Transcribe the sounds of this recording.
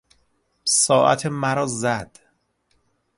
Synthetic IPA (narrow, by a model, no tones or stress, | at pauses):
sɒːʔæ̰t̪ʰemæɾɒːzæd̪̥